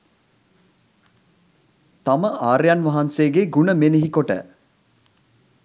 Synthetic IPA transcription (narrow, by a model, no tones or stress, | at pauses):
t̪aməʔaːɾjanʋaɦanseːɡeɡunəmeneɦikoʈə̰